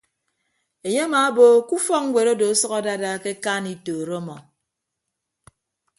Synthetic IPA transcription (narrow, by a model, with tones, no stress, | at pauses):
e˨ɲe˦a˦ma˨˦bo˦ku˦fɔ˦k̚ŋ̩˦ɡʷe˨ɾo˦do˨˦sɔ˦ka˦da˦da˦ke˦ka˦ni˨toː˨ɾo˦mɔ˨